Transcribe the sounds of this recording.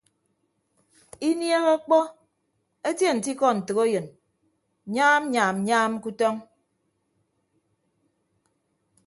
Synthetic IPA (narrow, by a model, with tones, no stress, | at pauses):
i˦nje˦ɣɔ˦k͡pɔ˦ | e˦tje˦˨n̩˨ti˦kɔ˦˨n̩˨tɨ˨ɣo˦jɨ˨n˨ | ɲa˦m˦ɲaː˨m̩˨ɲaː˦m˦ku˦tɔ˦ŋ